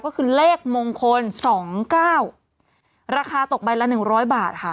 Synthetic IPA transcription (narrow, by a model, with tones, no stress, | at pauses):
kɔː˥˩kʰɯː˧leː˥˩k̚moː˧ŋkʰo˧nsɔː˩˦ŋkaː˥˩w | ɾaː˧kʰaː˧t̪o˨˩k̚ba˧jla˦˥nɯ˨˩ŋɾɔː˦˥jbaː˨˩t̪̚kʰa˦˥˩